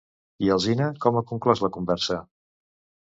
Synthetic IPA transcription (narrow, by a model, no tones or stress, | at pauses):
iəlˠzinəkɔməkuŋklɔzləkumbɛɾsə